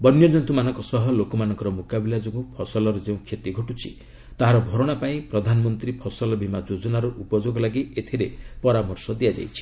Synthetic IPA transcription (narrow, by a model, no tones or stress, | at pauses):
bɔnjɔd͡ʒɔnt̪umanɔŋkɔsɔɦɔlokɔmanɔŋkɔɾɔmukabilad͡ʒoɡupʰɔsɔlɔɾɔd͡ʒeũkʰjet̪iɡʱoʈut͡ʃʰḭ | t̪aɦaɾɔbʱɔɾoɽ̃apaĩpɾɔd̪ʱanɔmɔnt̪ɾipʰɔsɔlɔbʱimad͡ʒod͡ʒɔnaɾuʔupɔd͡ʒoɡɔlaɡiet̪ʰiɾepɔɾamɔɾsɔd̪iad͡ʒa̰jt͡ʃʰi̥